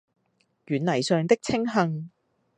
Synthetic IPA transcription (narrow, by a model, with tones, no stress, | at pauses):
jyː˨˩nlɐ˨˩jsœː˨ŋt̪ɪ˥k̚t͡sʰɪ˥ŋɦɐ˨˧ŋ